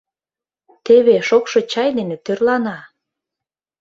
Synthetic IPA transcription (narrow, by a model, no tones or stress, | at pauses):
t̪eβeʃokʃot͡ɕɑjd̪enet̪ørlɑnɑ